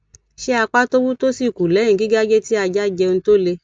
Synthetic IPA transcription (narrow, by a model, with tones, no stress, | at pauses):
ʃe˦a˧k͡pa˦to˦wu˦to˦si˦˨ku˨lɛ˨˦ĩ˨ɡi˨˦ɡa˦d͡ʒe˦ti˦a˧d͡ʒa˦d͡ʒɛ˧ñ̩˦to˦le˧